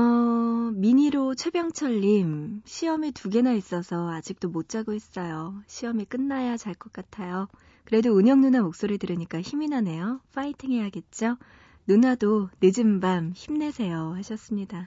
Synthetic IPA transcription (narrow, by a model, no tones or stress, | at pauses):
ʌmiɲiɾot͡ɕʰwe̞bjʌŋt͡ɕʰʌʎːimɕʰiʌmituɡe̞nais͈ʌsʰʌad͡ʑik̚t͈omot̚t͡ɕ͈aɡois͈ʌjoɕʰiʌmik͈ɯnːajat͡ɕaɭk͈ʌk͈atʰajo | kɯɾe̞doɯɲjʌŋnunamok̚s͈oɾitɯɾɯɲik͈açiminane̞joɸʰaitʰiŋeɦaɡe̞t̚t͡ɕ͈o | nunadonɯd͡ʑɯmbamçimne̞sʰe̞joɦaɕʰʌs͈ɯmɲida